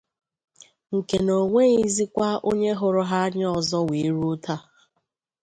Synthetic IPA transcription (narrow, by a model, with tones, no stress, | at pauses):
ŋ̩˨ke˨no˨ŋʷe˦i˦zi˦kʷa˦ʔo˦ɲe˦ɦʊ˨ɾʊ˦ɦa˦ɲ˦ɔ˨zɔ˦we˨˦ɾu˦ʊ˦tʰa˦˨